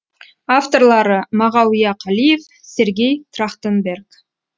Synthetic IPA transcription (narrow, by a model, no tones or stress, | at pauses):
aft̪o̞rlˠɑɾəmɑʁɑwijɑqʰɑlije̞f | sʲe̞ɾɡʲe̞jt̪ʰrɑχt̪ənbe̞rk